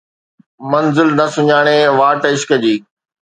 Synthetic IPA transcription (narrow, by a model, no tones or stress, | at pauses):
mɐnzɪlnɐsʊɲaːɽ̃eʋaːʈɪʃkəd͡ʑiː